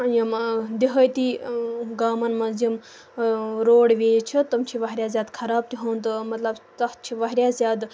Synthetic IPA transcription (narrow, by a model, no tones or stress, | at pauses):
jɐmd̪iɦəjt̪iɡaːmɐnmɐzim | ɾoːɽʋʲeːjt͡ʃʰit̪ɐmt͡ʃʰiʋɐɦɾʲjaːzʲaːd̪kʰɐɾaːb̚t̪iɦɐnt̪ɨmɐt̪lɐbt̪ɐht͡ʃʰiʋɐɦɾʲjaːzʲjaːd̪